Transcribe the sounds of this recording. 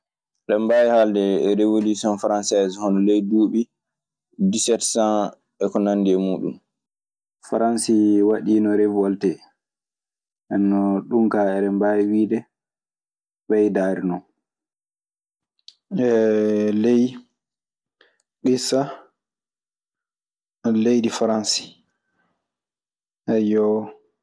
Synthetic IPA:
ɗɛmbajihaldɛɾevolusiɔnfaɾansɛzhɔnɔlejduːɓi | disɛtsãn | ɛkɔnanːdiɛmuːɗṵm | faɾansiwaɗiːnɔɾevɔltɛ | ʔɛnːɔɗumkaɛɾɛmbajiwiːdɛ | bɛjdaːɾinɔ | ɛlej | ɗisa | lejdifaɾansi̥ | ʔɛjɔ

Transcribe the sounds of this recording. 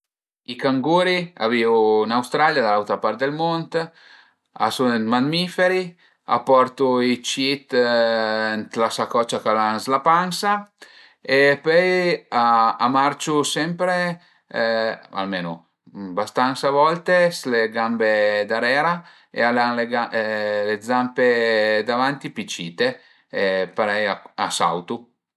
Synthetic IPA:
ikaŋɡuːɾia̰viunawst̪ɾaljad̪alawt̪ɾapaɾt̪̚d̪elmɔnt̪ | a̰sunmanmifeɾi | a̰pɔɾt̪uit͡ʃit̪ | nt̪lasakɔt͡ʃːakalanslapansa | epœjaamaɾt͡ʃusɛmpɾe | a̰lmeːnṵ | bast̪ansavɔlt̪esleɡambed̪aɾɛːɾa | ḛalanleɡaled̪zamped̪avant̪ipit͡ʃiːt̪e | epaɾɛjaa̰sa̰wt̪u

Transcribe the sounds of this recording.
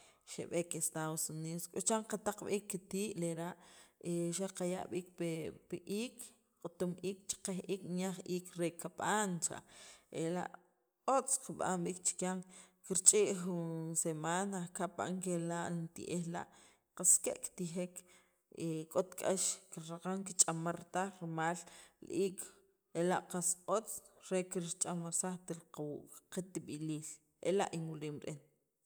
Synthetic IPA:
ʃḛɓekest̪aðosuniːðoskʼot͡ʃaɴqat̪aq͡χɓiːkːit̪iːʔleɾaʔeʃaqaja̰ʔɓiːk̚pepiʔiːk | qʼot̪umʔiːk̚t͡ʃi̥qehʔiːknjaχiːkɾekaɓaːnt͡ʃa̰ʔḛla̰ʔ | ot͡sqaɓa̰mɓiːk̚t͡ʃi̥kjaŋkiɾt͡ʃʼiʔχunsemaːnakapa̰ŋkelaʔnt̪ḭʔehla̰ʔ | qaskeʔkt̪ixek | ekʼot̪kʼaʃkiɾɾaqaŋkit͡ʃʼamaɾt̪aχɾmaːllʔiːkʰ | elaʔqasot͡s | ɾekiɾt͡ʃʼamasaχt̪ilqwqit̪iɓiliːl | ḛla̰ʔinwuliːmɾʔen

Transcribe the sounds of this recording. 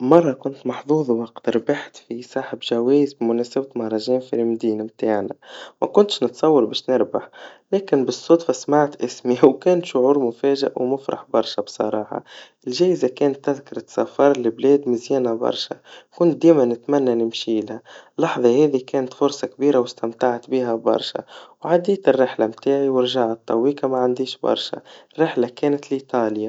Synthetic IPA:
mɑrˤːɑkʊnt̪mɑħðˤuːðˤwɑqt̪ɪɾbaħt̪fisˤɑːħɪbʒæwɛːjzbimʊnɛːsabt̪mahɾˤɑʒɛːnfilmd̪iːnamt̪aːʕnæmækʊnt̪ʃnət̪sˤɑwːɑɾˤbɛːʃnɪɾbaħlɛːkɪnbɨsˤːot̪fasmaʕt̪ʔɪsmiwkɛːnt̪ʃʊʕuːɾmʊfæːʒɪ̰ʔwmʊfɾɑ̰ħbɑɾˤʃɑbsˤɑ̰ɾˤɑːħɑ̰ɪlʒæːɪzakɛːnt̪ːɪðkɑɾˤɑt̪safɑɾˤlɪbleːd̪mɪzjæːnabɑ̰ɾˤʃa̰kʊnt̪̚d̪iːmanɪt̪mænːanɪmʃiːlhalːɑħðˤɑhɛːðikæːnt̪fʊɾˤsˤɑkbiːɾawɪst̪amt̪aʕat̪biːɦabɑ̰ɾˤʃa̰wʕad̪iːt̪ɪrːɪħlamt̪aːʕiwɪɾʒaʕat̪ˤːɑwːiːkamaʕand̪iːʃbɑ̰ɾˤʃa̰rːɪħlakeːnɪt̪lit̪ɑːlja

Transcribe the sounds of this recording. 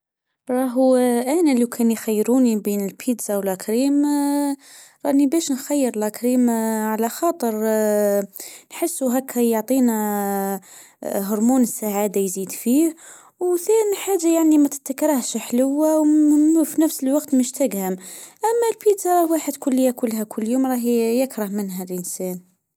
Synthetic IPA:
ɾˤɑɦʔænaliwkʰænjxæjːɾunibinəlpʰid̪zawəlʔækɾim | ɾˤɑʔnibæʃnxæjːəɾlʔækɾimʕalæxɑt̪ˤəɾˤ | nħəsːuɦækʰːæjoʕt̪ˤina | ɦʊɾˤmunəsːaʕad̪ajzid̪fih | wθænħaʒːajaʕnimæt̪ə̥t̪ːakɾˤɑhʃħləwːawfinəfsəlwɑɡt̪məʃt̪æɡhəmʔæmːælpid̪zɑɾˤɑhwaħəd̪kʊlːəjːakʊlːɦækʰʊlːjumɾˤɑhjəkɾɑhmənɦælʔənsæn

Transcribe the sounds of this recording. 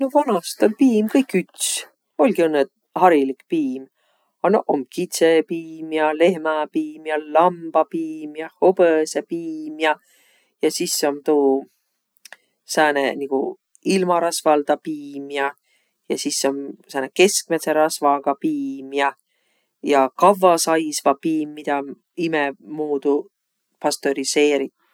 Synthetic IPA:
novɑnɑst̪olpiːmkɤjkːˑyt̪s | o̞lʲɡiɤnːet̪ | hɑɾilikpiːm | ɑnoʔomkit̪sepiːmjɑle̞hmɑpiːmjɑlɑmb̥ɑpiːmjɑhob̥əsepiːmjɑ | jɑsisːo̞mt̪uː | sæːnḛnikṵ | ilmɑɾɑsvɑld̪̥ɑpiːmjɑ | jɑ̰sisːo̞msæːneke̞sk̚met̪seɾɑsvɑɡ̥ɑpiːmjɑ | jɑkɑvːɑsɑjsvɑpiːmːid̪̥ɑ | imɛmuːd̪̥u | pɑst̪oɾise̞ːɾi

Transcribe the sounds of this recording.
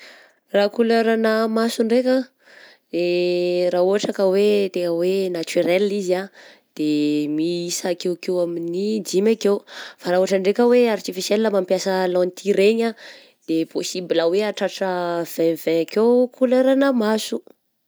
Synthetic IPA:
rakuleɾanəmasuɳɖ͡ʐekʲa | d̪erauaʈ͡ʂakəwet̪eŋəwenat̪yɾɛlizia | d̪̥emiisakewkewaminid͡ʒimakewfaɾauaʈ͡ʂəɳɖ͡ʐekəweaɾit͡ʃifiselləmampjasəlɔ̃nit̪ʰiɾeɲa | d̪̥epʰosibilaweaʈ͡ʂaʈ͡ʂəv̥ɛ̃vɛ̃akewkʰuleɾanəmasu

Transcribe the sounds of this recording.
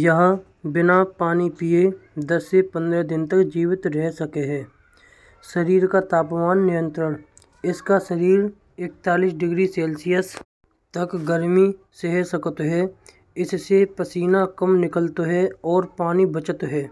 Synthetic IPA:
jəɦ | bɪnapaːnipied̪ɐsːepə̃nd̪ɾɛd̪ɪnt̪əkd͡ʒiːwɪt̪ɾɛɦsɐkeɦɛː | səɾiːɾkat̪aːpmaːnːɪjə̃nt̪ɾən | ɪskasəɾiːɾ | ɪk̚t̪aːliːsɖɪɡɾiseːlsijəs | t̪ɐkɡəɾmi | seɦɛsəkət̪ɦɛː | ɪssepəsiːnakəmnɪkəlt̪ɦɛɔːɾpaːnibət͡ʃət̪ɦɛː

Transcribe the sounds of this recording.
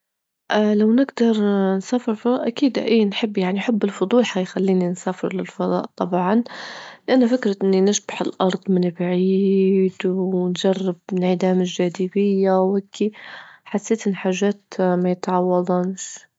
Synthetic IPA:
ʔlawnɪɡd̪ɑɾˤnsaːfɪɾlfɑd̪ˤɑːʔakiːd̪ʔa̰ʔiːnħɪbːjaʕniħɪbːɪlfʊd̪ˤuːlħaijxalːiːninsaːfɪɾlɪlfɑd̪ˤɑ̰ːʔt̪ˤɑbʕɑnlɪʔanːafɪkɾaʔɪnːinɪʃbaħɪlʔɑɾˤd̪ˤmɪnbʕiːd̪wnʒarːɪbɪnʕɪd̪aːmɪlʒaːd̪ɪbɪjːawhakʰːiħasːeːt̪ʔɪnːiħaːʒːaːt̪majɪt̪ʕɑwːɑd̪ˤɑnʃ

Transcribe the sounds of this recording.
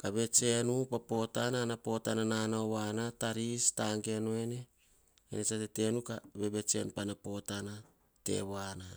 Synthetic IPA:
kaβe̞t͡ʃe̞nupapo̞tananapo̞tanananaowanataɾistaŋɡe̞noe̞ne̞ | ḛnet͡ʃatete̞nukabe̞be̞t͡ʃe̞̰nupanapo̞tana | te̞̰wana

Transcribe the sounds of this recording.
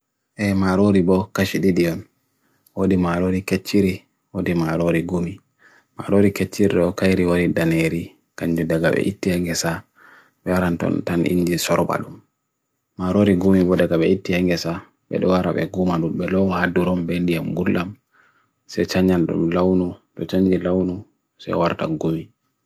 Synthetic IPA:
ʔɛmaɾoɾibɔkaʃiɗidijɔn | wodimaɾoɾiket͡ʃːiɾi | wodimaɾoɾiɡumi | ma̰ɾoɾiket͡ʃːiɾiɗɔkajɾiwaɾidaneɾi | kaɲd͡ʒudaɡa̰ɓɛ̰ʔitːihaŋɡɛsa | ɓɛwaɾantɔ̰ntanʔḭɲd͡ʒisɔɾɔba̰ɗumː | aɾoɾiɡumibɔdaɡaɓɛitːihɛŋɡɛsa | ɓɛ̰ɗɔwaɾa̰ɓɛ̰ɡumaɗumɓɛlɔhadːuɾɔmbendijamɡulʔam | sɛt͡ʃaɲd͡ʒanɗṵmlawnutɔt͡ʃaɲd͡ʒilawnu | sɛ̰waɾta̰ɡumi

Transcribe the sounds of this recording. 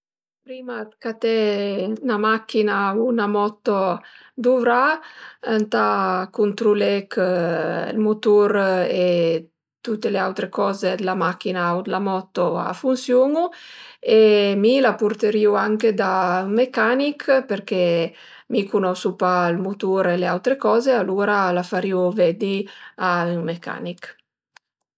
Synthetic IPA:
pɾiːmat̪kat̪ɛnamak̟ːinaunamɔt̪ːo | d̪uvɾaant̪akunt̪ɾulɛk | lmut̪uɾe | t̪ut̪ːeleawt̪ɾekɔzed̪lamak̟ːinaud̪lamɔt̪ːoa̰funsjoŋuemilapurt̪eɾiuaŋked̪ayŋmekanikperke | mikunɔsupalmut̪uɾeleawt̪ɾekɔːzealuːɾalafaɾiuvɛd̪iayŋmeka̰nik

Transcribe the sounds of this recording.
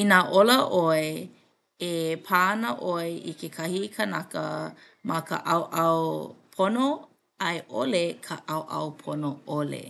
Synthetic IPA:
inaʔoləʔoe | epʰanəʔoeʔḭkʰekʰɐhikʰanakə̰ | mɐkʰə̰ʔɐwʔɐwpʰono | ɐjʔo̰lekʰəʔɐwʔɐ̰wpʰonoolḛ

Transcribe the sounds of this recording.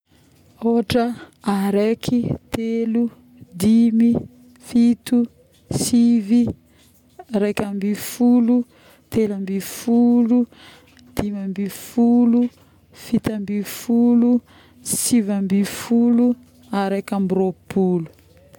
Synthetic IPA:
oɦaʈ͡ʂəaɾekʰit̪elu | d̪imi | fit̪u | sivi | ɾekʲambifulu | t̪elambifulu | d̪̥imambifulu | fit̪ambifulu | sivambifulu | aɾekambropulu̥

